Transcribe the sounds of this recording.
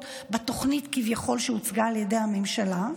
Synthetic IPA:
beto̞χnitkivjaχo̞lʃeut͡sɡaːljedejhamemʃala

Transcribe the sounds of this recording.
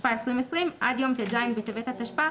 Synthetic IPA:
ʃpaesʁimesʁimʔa̰d̪jo̞mt̪ed̪ajnbet̪evet̪hat̪aʃpa

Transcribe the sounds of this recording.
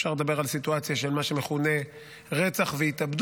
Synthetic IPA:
ʃaʁled̪abe̞ʁalsit̪uat͡sjaʃelmaʃemeχune̞ | ʁet͡saχveit̪abd̪

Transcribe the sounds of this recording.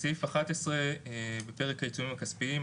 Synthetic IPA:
sifaχat̪esʁebepeʁekajitumimakaspii

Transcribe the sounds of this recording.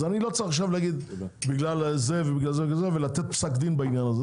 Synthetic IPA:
anilot͡saʁiχaχʃ̬avlaɡid̪ | biɡlalzevɛbiɡlalzekazevɛlat̪ɛt̪̚psakd̪inbainjanaze

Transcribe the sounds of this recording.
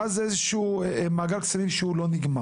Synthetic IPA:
azezeʃu | maɡalkt͡sanimʃeulo̞niɡma

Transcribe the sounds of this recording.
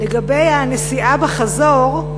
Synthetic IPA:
leɡabe̞janesiʔabeχazoʁ

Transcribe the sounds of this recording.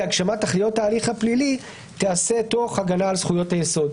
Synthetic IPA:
aɡʃamatːaχlijo̞taːliχhaplili | t̪ease̞to̞χaɡanaːlsχujo̞thajeso̞d

